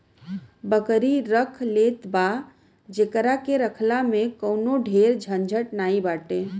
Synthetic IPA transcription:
bəkəɾiɾəkʰlet̪ba | d͡ʒekɾakeɾəkʰlamẽkəwnoɖʱeɾd͡ʒʱənd͡ʒʱəʈnaːibaːʈe

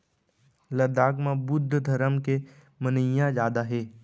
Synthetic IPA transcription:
ləd̪aːɡmãbʊd̪ʱːəd̪ʱɐɾəmke | mənəjãzaːd̪aɦeː

